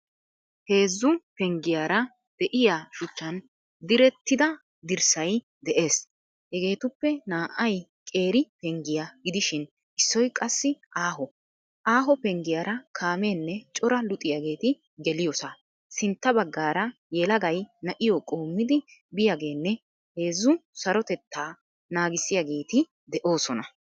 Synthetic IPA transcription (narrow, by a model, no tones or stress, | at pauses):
he̞ːzːʊpɛŋɡɪjaːɾɐ | d̪̥ɛʔɪjaʃʊt͡ʃːɐn | d̪ɪɾɛt̪ːɪd̪ɐ | d̪ɪɾsɐj | d̪ɛʔe̞ːs | hɛɡe̞ːt̪ʊpːɛnaːʔɐjkʼe̞ːɾɪpɛŋɡɪjaɡɪd̪ɪʃɪn | ʔɪsːɔjkʼɐsːɪʔaːɦɔ | ʔaːɦɔpɛŋɡɪjaɾɐkʰaːmeːnːɛt͡ʃʼɔɾɐlʊt̪ʼːɪjaɡe̞ːt̪ɪ | ɡɛlɪjɔsa | sɪnt̪ːɐbɐɡːaːɾɐ | jɛlɐɡɐjnɐʔɪjɔkʼo̞ːmːɪd̪ɪbɪjaɡe̞ːnːɛ | he̞ːzːʊsɐɾɔt̪ɛt̪ːaː | naːɡɪsːɪjaɡe̞ːt̪ɪ | d̪ɛʔo̞ːsɔnɐ